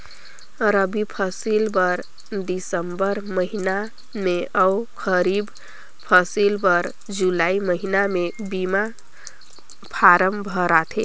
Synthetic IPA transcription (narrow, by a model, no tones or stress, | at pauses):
ɾəbipʰəsilbəɾ | d̪isəmbəɾməɦina | meəkʰəɾib | pʰəsilbəɾ | d͡ʒulaiməɦinamebima | pʰaɾəmbʱəɾat̪ʰḛ